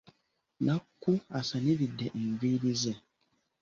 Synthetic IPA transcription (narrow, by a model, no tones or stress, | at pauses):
nakːuasaniɾidːeʔeɱviːɾize